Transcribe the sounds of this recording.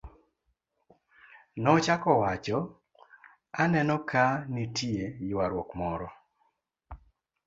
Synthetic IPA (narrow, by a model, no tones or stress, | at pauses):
nɔt͡ʃakɔwat͡ʃɔ | anɛnɔkʰanitʰiejwaɾwɔkmɔɾɔ